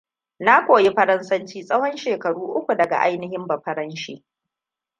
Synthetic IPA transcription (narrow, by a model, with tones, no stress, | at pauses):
na˦kʷoː˨ji˦ɸɐ˦ɾɐ˦nsɐ˦nt͡ʃiː˦sʼɐ˦hɔ˦nʃeː˨kɐ˨ɽuː˦ʔʊ˦kʷu˨dɐ˨ɡa̰˨ʔa̰˦jnɪ˦hɪ˦mbɐ˨ɸɐ˦ɾɐ˦nʃiː˦